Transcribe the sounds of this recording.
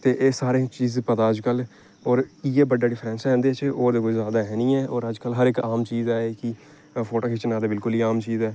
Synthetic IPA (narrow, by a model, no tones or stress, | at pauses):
t̪eːʔeːsaːɾẽːt͡ʃiːzpət̪aːəd͡ʒkəl | ɔːɾiːɛːbəɖːaːɖɪpʰɾɛ̃ːnsɛ̃ːnd̪et͡ʃʔoːɾd̪eːkoːizjaːd̪aːɦɛːnĩːɛːʔɔːɾəd͡ʒkəlɦəɾɪkaːmt͡ʃiːzɛːeki | pʰoːʈoːkʰɪt͡ʃənaːd̪eːbɪlkʊliːaːmt͡ʃiːzɛː